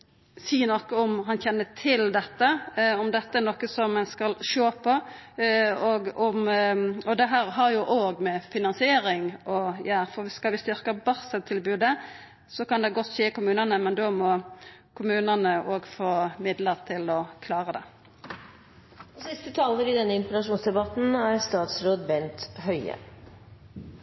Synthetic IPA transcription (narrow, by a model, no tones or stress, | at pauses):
siːnɔkːəɔmɦɑnçɛnːət̪ʰɪld̪ɛt̪ːəɔmd̪ɛt̪ːəɛɾnɔkːəsɔmːɛnskɑlʃoːpʰɔ | oːɡɔmɔd̪ɛɦæːɾɦɑɾjʊʔoːɡmɛfɪnɑnsɪeːɾɪŋɔjæːɾfɔʁʋɪskɑlʋɪst̪ʏɾkəbɑsət̪ʰːɪlbʉːd̪ə | sɔkɑnd̪ɛɡɔt̪ːʃeːkʊmʉːnənəmɛnd̪oːmɔkʰʊmʉːnənəʔoːɡfoːmɪd̪ləʁt̪ʰɪlɔkʰlɑːʁəd̪ɛ̰ | sɪst̪ət̪ʰɑːləɾɪd̪ɛnːəɪnt̪ɛɡɑʂuːnsd̪ɛbɑt̪n̩æɾst̪ɑːt̪sɾoːd̪bɛnt̪hœʏə̰